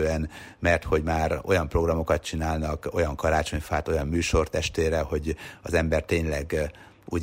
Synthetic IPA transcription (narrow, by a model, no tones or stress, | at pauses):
øɛn | mɛrt̪ho̞ɟmaːɾo̞̰jɒmpro̞ɡrɒmo̞kɒt̪̚t͡ʃinaːlnɒkojɒŋkɒɾaːt͡ʃo̞ɲfaːt̪o̞jɒmːyːʃo̞rt̪ɛʃt̪eːɾɛho̞ɟɒzɛmbɛrt̪eːɲlɛɡ | ṵːɟ